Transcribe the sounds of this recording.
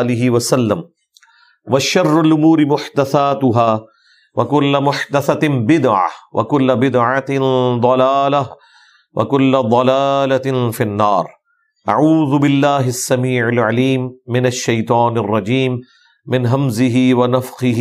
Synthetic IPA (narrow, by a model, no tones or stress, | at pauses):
lɪɦɪwasalːam | waʃɑrˤːalʔʊmuːɾɪmʊħd̪aθaːt̪ʊɦaː | wakʊlːamʊħd̪aθabɪd̪ʕa̰wʔa̰kʊlːabɪd̪ʕaɪnd̪ˤɑlaːla | wa̰kʊlːad̪ˤɑlaːlafinːɑːɾˤ | ʔa̰ʕuːðʊbɪlːaːɦɪsːamiːʕɪlʕaliːmːɪnaʃːajt̪ˤɑːnarˤːɑd͡ʒiːmː | ɪnɦamzɪɦiwanafqɪɦ